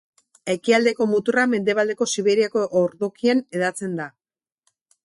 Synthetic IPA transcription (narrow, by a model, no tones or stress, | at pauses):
e̞kiald̪e̞ko̞mut̪urame̞nd̪e̞β̞ald̪e̞ko̞siβe̞ɾiako̞ʔoɾðokiane̞ðat͡se̞nd̪a